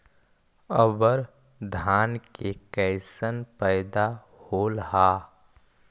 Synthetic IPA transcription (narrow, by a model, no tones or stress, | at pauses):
əbəɾ | d̪ʱaːnkekɛɪsənpɛɪd̪a | hoːlɦaː